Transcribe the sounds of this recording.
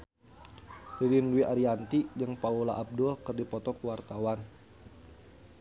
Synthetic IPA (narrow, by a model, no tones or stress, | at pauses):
rilinwiʔaɾiant̪id͡ʒəŋpaula̰ʔab̚dʊlkɨrdipɔt̪ɔkuwart̪awan